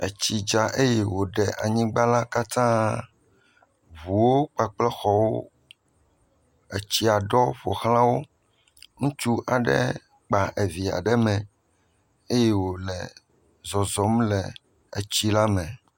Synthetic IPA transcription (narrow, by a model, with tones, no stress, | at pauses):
e˨t͡ɕi˨d͡ʒa˨ʔe˦jɛ˨wo˨ɖɛ˨ʔa˨ɲĩ˦ɡ͡ba˦la˦ka˦t̪ã˦ | βu˨wo˦k͡pa˨k͡plɛ˦xɔ˦wo̰˦ | ɛ˨t͡ɕi˦a˨ɖɔ˦ɸo˨xlã˦wo˦ | ŋũ˦t͡ʃu˦ʔa˨ɖɛ̰˦ | k͡pa˨ʔe˨vi˨a̰˨ɖɛ˦mɛ̃˨ | e˦jɛ˦wo˨lɛ˨ | zɔ˨zɔ˨mlɛ˨ | ḛ˨t͡ɕi˦la˦mɛ̃˨